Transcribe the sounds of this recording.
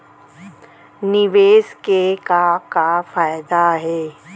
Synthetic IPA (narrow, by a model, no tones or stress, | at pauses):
nɪʋeːskekakafaːɪd̪aɦɛː